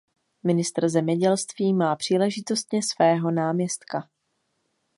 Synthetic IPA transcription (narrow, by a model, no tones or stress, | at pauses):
mɪnɪst̪r̩zɛmɲɛɟɛlst̪viːmaːpr̥iːlɛʒɪt̪o̞st̪ɲɛsvɛːɦo̞naːmɲɛst̪ka